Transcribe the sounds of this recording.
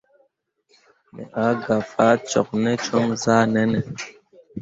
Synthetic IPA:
mɛ̰˨ʔa˨˦ɡa˨faː˦t͡ʃɔ̰˨k̚nɛ˦t͡ʃɔ˦ŋzaː˦nɛ˦nɛ˨

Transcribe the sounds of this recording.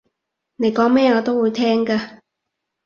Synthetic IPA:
ne˨˥jkɔː˨˥ŋmɛː˥jɔː˨˧t̪o˥wuː˨˧jt̪ʰɛː˥ŋkaː˧

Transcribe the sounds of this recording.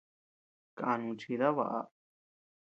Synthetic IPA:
ka˧ʔa˧nũ˧t͡ʃi˧ða˦βa̰˧˨ʔa̰˧

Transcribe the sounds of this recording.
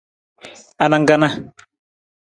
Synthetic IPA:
a˨na˨ŋɡa˦˨na˦

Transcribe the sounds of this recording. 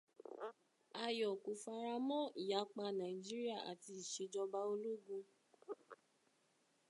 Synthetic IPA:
a˧˨jɔ˨ku˨fa˧ɾa˧mɔ̃˦i˨ja˨˦k͡pa˧nã˨ĩ˨d͡ʒi˦ɾi˦a˦˨ʔa̰˨ti˧˦i˨ʃe˧˦d͡ʒɔ˧ba˧˦o˧lo˦ɡũ˧

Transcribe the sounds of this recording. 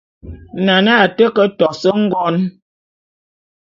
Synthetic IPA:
na˨na˦˨tə˦kə˦tɔ˨sə˦ŋ̩˦ɡɔ˦n

